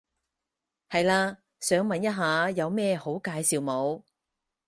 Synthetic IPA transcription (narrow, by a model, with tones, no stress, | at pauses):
hɐ˨jlaː˧ | sœː˨˥ŋmɐ˨˧njɐ˥t̚ɦaː˨˧jɐ˨˧wmɛː˥ho˨˥wkaː˨˧jsiː˨wmo˨˧w